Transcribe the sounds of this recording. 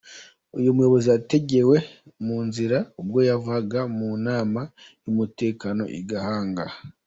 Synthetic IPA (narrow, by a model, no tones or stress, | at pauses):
ujumujo̞βo̞ziate̞ɟe̞we̞ | muːnziɾaub̚ɡo̞javuhaɡamunaːma | jumute̞ːkano̞̰ʔḭɡahaːŋɡa